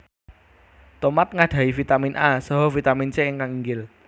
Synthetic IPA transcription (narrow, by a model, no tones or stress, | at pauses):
t̪omat̪̚ŋaɖ̪̥a̤ifit̪aminʔasəɦɔfit̪amint͡ʃeɪŋkaŋiŋɡɪl